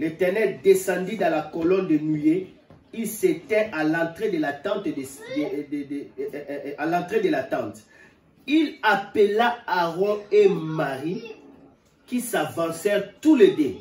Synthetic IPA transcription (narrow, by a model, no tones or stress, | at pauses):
let̪ɛʁnɛʁd̪esɑ̃d̪id̪ɑ̃lakɔlɔnd̪ənyje | ilset̪ɛʔalɑ̃t̪ʁed̪əlat̪ɑ̃t̪ | alɑ̃t̪ʁed̪əlat̪ɑ̃t̪ | ilapəlaaʁɔ̃emaʁi | kisavɑ̃sɛʁt̪uled̪e